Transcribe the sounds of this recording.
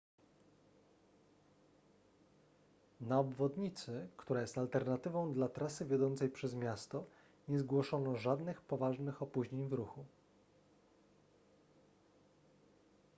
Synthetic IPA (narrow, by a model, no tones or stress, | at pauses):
naɔbvɔd̪ɲit̪sɘkt̪uɾajɛst̪alt̪ɛɾnat̪ɘvɔ̃w̃d̪lat̪ɾasɘvʲjɔd̪ɔnt̪sɛjpʂɛzmʲjast̪ɔ | ɲɛzɡwɔʂɔnɔʐad̪nɘxpɔvaʐnɘxɔpuʑɲeɲvɾuxu